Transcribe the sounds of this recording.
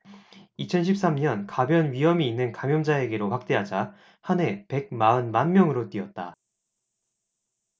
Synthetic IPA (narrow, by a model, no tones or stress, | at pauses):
it͡ɕʰʌnɕʰip̚s͈amɲʌnkabjʌnɥiɦʌmiːnːɯnkamjʌmd͡ʑae̞ɡe̞ɾoɸwak̚t͈e̞ɦad͡ʑa | hanɦe̞pe̞ɡ̚maɯnmanmjʌŋɯɾot͈ɥiʌt̚t͈a